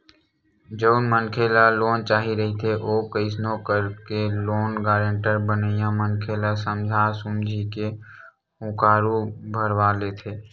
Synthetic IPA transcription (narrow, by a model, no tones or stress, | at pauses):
d͡ʒəʊnmənkʰeːlaloːnt͡ʃaːɦiɾəɦit̪ʰeʔoːkəɪsnõkəɾkeloːnɡaːɾẽɳʈəɾbənəjãmənkʰeːlasəmd͡ʒʱasʊmd͡ʒʱike | ʊ̃kaːɾubʱəɾʋaːleːt̪ʰeː